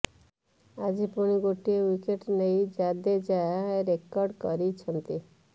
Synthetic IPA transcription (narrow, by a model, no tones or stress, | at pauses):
ad͡ʒipuɽ̃iɡoʈiewikeʈnejd͡ʒad̪ed͡ʒaaɾekɔɾɖkɔɾit͡ʃʰɔnt̪i